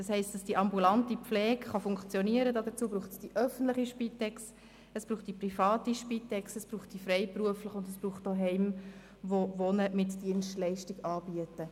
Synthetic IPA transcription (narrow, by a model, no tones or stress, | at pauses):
d̥ɑshɛɪstd̥ɑsd̥iʔɑmbulɑntipflɛːkχɑfʊŋkt͡sjɔniəɾədɑːdət͡suəbɾuːχtsd̥iʔœfən̩tləχiʃpitɛks | əsb̥ɾuːχt̚d̥iprifɑːtiʃpitɛksəsb̥ruːχt̚d̥ifrɛɪpruəfləχʊndəsb̥ruːχtoɦɛɪm | ʋoʋonəmɪtd̥iənʃtlɛɪʃtiɡɑːbiətə